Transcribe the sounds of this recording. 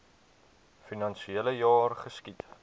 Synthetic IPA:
finɐnʃieləjɑːrχəskit

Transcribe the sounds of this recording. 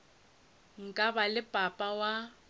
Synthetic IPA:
ŋ̩kʼabalɪpʼapʼawa

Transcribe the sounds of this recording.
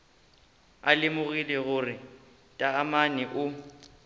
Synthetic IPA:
a̰lɪmʊɣilɛɣʊrɪ | tʼaːmanɛʔʊ

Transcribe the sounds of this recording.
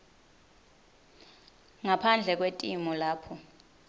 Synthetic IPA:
ŋapʰand͡ɮʱɛk̬wetʼimɔlaːpʰɔ

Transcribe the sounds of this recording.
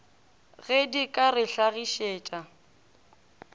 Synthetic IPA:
ɣɛdikʼaɾɪɬaɣiʃeːt͡ʃʼa

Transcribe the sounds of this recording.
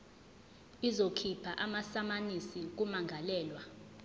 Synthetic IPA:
izokʰipʰaʔamasamanisik̬umaŋʱalɛːlwa

